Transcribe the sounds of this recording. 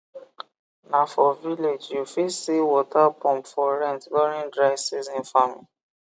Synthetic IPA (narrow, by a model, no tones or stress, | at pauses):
nãfɔviled͡ʒjofisiwɔtapɔ̃mpfɔɾɛ̃ntlɔɾĩndɾaɪsizĩnfamii